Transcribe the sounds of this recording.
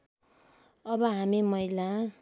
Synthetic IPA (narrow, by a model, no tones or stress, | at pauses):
ʌbʌɦamimʌila